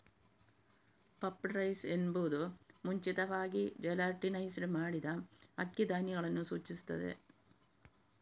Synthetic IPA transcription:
pɐpːɾɐjsenbuːd̪umuɲt͡ʃit̪ɐʋaːɡid͡ʒɐjlaɾʈːinɐjsɖmaːɽid̪ɐɐkːɐd̪aːniɡɐɭɐnːusuːt͡ʃːist̪ːɐd̪ḛ

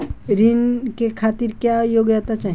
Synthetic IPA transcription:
ɾinkekʰaːt̪iɾkjajoɡjat̪at͡ʃaːɦ

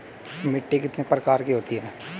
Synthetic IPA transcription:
mɪʈːekɪt̪nepɾɐkaːɾkiɦoːt̪iɦɛː

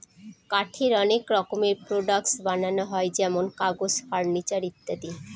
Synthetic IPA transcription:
kaʈʰeɾɔnekɾɔkomeɾpɾoɖaksbananoɦɔed͡ʑɛmonkaɡosfaɾnit͡ɕaɾit̪ːad̪i

